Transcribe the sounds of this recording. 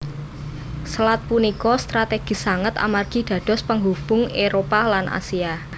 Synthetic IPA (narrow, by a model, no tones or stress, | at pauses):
səlat̪̚punikɔst̪ɾat̪eɡ̥i̤saŋət̪a̰marɡ̥i̤ɖ̪̥ä̤ɖ̥ɔ̤spəŋɦub̥ʊŋeɾopalanʔa̰sia